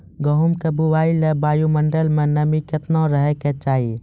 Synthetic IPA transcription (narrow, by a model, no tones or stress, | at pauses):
ɡəɦumkebuwaːilebaːjuməɳɖəlmə̃nəmiket̪nãɾəɦɛket͡ʃaːɦi